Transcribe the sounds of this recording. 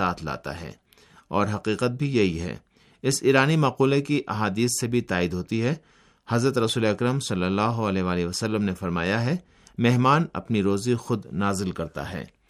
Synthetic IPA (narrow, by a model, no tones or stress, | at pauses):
aːt̪ʰla̰ːt̪a̰ɦɛ̰ː | ɔːɾɦɐqiːqət̪̚bʱijɐɦiɦɛ̰ː | ɪsiːɾaːnimaːquːlekiʔɐɦaːd̪iːsːebʱit̪aːɪd̪ɦoːt̪iɦɛ | hɐzɾət̪ɾɐsuːleɐkɾəmsɐlːəlːaːɦoɐlɛɦʋaːleɦʋɐsəlːəmnefɐɾma̰ːjaɦɛ | mɛɦmaːnɐ̰pniɾoːzixʊd̪naːzɪlkɐɾt̪a̰ɦɛ̰ː